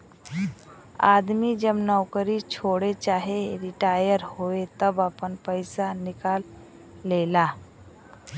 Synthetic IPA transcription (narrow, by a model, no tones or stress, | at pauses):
a̰d̪mid͡ʒəbnəwkəɾit͡ʃʰoɽet͡ʃaɦeɾiʈajəɾhoet̪əbapənpəjsanikalː | ela